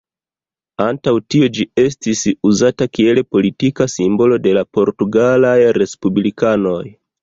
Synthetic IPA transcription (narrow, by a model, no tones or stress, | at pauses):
antawtio̞d͡ʒie̞stisuzatakie̞lpo̞litikasimbo̞lo̞de̞lapo̞ɾtuɡalajɾe̞spublikano̞j